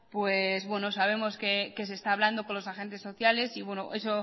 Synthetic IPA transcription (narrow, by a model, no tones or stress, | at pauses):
pwezβwe̞nosaβ̞e̞mo̞ske̞ke̞s̬est̪aːβ̞land̪o̞ko̞nlo̞saxe̞nt̪̬e̞sːo̞θjale̞siβwenoʔe̞so